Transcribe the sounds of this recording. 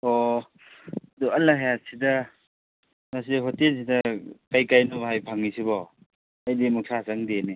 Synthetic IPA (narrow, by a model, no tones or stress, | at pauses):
ɔ | duɐlːaɦejat̚sida | mas̬iɦɔtels̬idɐkajkajnuhajpʰaŋːisibɔ | ajdimuk̚sʰasaŋdeni